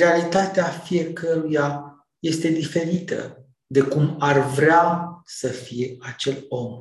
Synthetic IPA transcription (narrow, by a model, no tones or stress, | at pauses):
ealit̪at̪eafije̞kəɾuja | je̞st̪e̞d̪ife̞ɾit̪ə̰ | d̪e̞kumarvɾeasəfije̞at͡ʃe̞lo̞m